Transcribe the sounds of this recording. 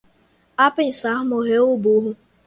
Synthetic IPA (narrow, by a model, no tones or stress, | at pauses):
apɪn̩saɦmoɦeoboɦʊ